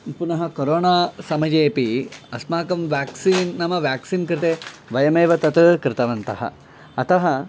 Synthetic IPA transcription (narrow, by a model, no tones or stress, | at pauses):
punɐɦɐkoɾoːnaːsɐmɐd͡ʒeːpiɐsmaːkɐmʋjaːksiːnːɐmɐʋjaːksiːnkɾɪt̪eːʋɐjɐmeːʋɐt̪ɐt̪ɨkɾɪt̪ɐʋɐnt̪ɐɦɐ̰ | ɐt̪ɐɦɐ